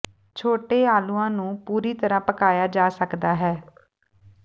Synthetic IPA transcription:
t͡ʃʰoːʈeːaːluːãːnũːpuːɾiːt̪əɾãːpəkaːjaːd͡ʒaːsəkd̪aːɦɛː

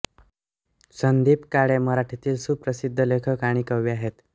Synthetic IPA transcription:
sənd̪iːpkaɽeməɾaʈʰit̪iːlsuːpɾəsid̪ʱːəlekʰəkaɽ̃iːkəʋiaɦet̪

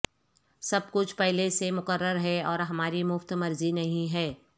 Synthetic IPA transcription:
sɐb̚kʊt͡ʃʰpɛɦlesemʊkəɾːəɾɦɛɔːɾɦɐmaːɾimʊft̪mɐɾzinɐɦĩɦɛː

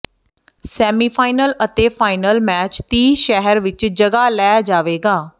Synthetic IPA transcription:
sɛːmiːpʰaːɪnələt̪eːpʰaːɪnəlmɛːt͡ʃt̪iːʃɛɦəɾʋɪt͡ʃd͡ʒəɡaːlɛːd͡ʒaːʋeːɡaː

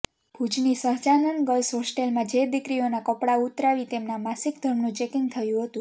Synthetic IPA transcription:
bʱud͡ʒnisəɦd͡ʒanənɡəlsɦosʈelmãd͡ʒed̪ikɾionakəpɽaut̪ɾaʋit̪emnamasikd̪ʱəɾmnũt͡ʃekɪŋɡ̚t̪ʰəjũɦət̪ũ

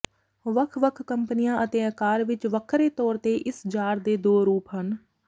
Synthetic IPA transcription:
ʋəkʰʋəkʰkəmpnijãːʔət̪eːəkaːɾʋɪt͡ʃʋəkʰɾeːt̪ɔːɾt̪eːʔɪsd͡ʒaːɾd̪eːd̪oːɾuːpɦən

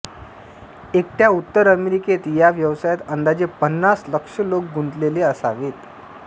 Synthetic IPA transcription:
ek̚ʈjaut̪ːəɾəmeɾiket̪jaʋjəʋsajat̪ənd̪ad͡ʑepənːasləkʂəlok̚ɡʱunt̪leleəsa̰ʋet̪

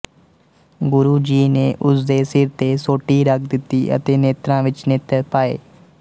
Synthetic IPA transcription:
ɡʊɾuːd͡ʒiːneːʔʊsd̪eːsɪɾt̪eːsoːʈiːɾəkʰd̪ɪt̪ːiːə̰t̪eːneːt̪ɾãːʋɪt͡ʃneːt̪əɾpaːḛː

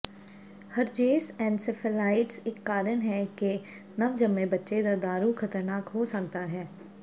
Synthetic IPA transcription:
hɐɾd͡ʒeːsɛ̃ːnsɪfʰəlaːɪʈsɪkːaːɾənɦɛke | nɐʋd͡ʒɐmːebɐtːʃed̪ɐɾd̪aːɾuxʰɐt̪əɾnaːkɦosɐk̚t̪aɦɛː

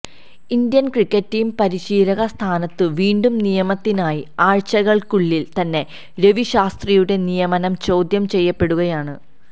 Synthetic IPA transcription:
ind̪jɐnkrikʲːɐtːijmpɐɾiɕiːɾɐɣɐst̪ʰaːnɐt̪ːɨʋiːɳɖumnijɐmɐt̪ːinaːjiaːɻt͡ɕɐɣɐɭkuɭːilt̪ɐnːe̞ | ɾe̞ʋiɕaːst̪rijuɽe̞nijɐmɐnɐmt͡ɕo̞ːd̪jɐmt͡ɕe̞jːɐpːe̞ɽuɣɐjaːɳɨ

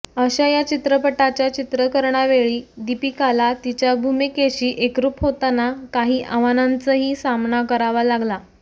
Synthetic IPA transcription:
əɕajat͡ɕit̪ɾəpəʈat͡ɕjat͡ɕit̪ɾəkəɾɳaʋeɭiːd̪ipikalat̪it͡ɕjabʱumikeɕiːʔekɾupɦot̪anakaɦiːʔəʋanant͡səɦiːsamnakəɾaʋalaɡla

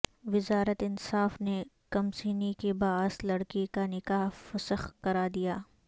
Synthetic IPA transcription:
ʋɪzaːɾət̪ɪnsaːfnekɐmsiːnikebaːslɐɽkikanɪkaːɦfɐsəxkɐɾaːd̪ijaː

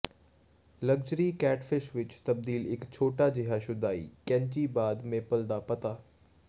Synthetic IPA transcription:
ləɡd͡ʒɾiːkɛːʈfʰɪʃʋɪt͡ʃt̪əb̚d̪iːlɪkt͡ʃʰoːʈaːd͡ʒɪɦaːʃʊd̪aːḭːkɛ̃ːnt͡ʃiːbaːd̪mepəld̪aːpət̪aː

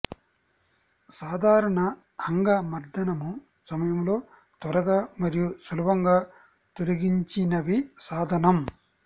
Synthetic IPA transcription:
saːd̪ʱaːɾɐɳɐː | ŋɡɐmɐɾd̪ʱɐnɐmu | sɐmɐjɐmlo̞ː | t̪ʋɐɾɐɡaːmɐɾijusɐlɐbɐŋɡaː | t̪olɐɡiɲt͡ʃinɐʋisaːd̪ʱɐnɐm

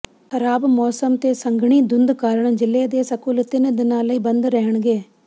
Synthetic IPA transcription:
xəɾaːbmɔːsəmt̪eːsəŋɡɳiːd̪ʊnd̪kaːɾəɳ̃d͡ʒɪleːd̪eːsəkʊlt̪ɪnd̪ɪnãːləiːbə̃nd̪ɾɛɦəɳ̃ɡeː

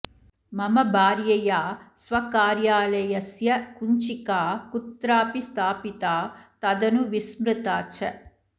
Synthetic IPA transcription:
mɐmɐbʱaːɾjɐjaːsʋɐkaːɾjaːlɐjɐsjɐkuɲt͡ʃikaːkut̪ɾaːpist̪ʰaːpit̪aːt̪ɐd̪ɐnuʋismɾɪt̪aːt͡ʃɐ

